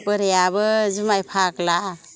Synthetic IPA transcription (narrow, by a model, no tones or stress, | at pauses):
pɯɾejabɯzumajpʰakla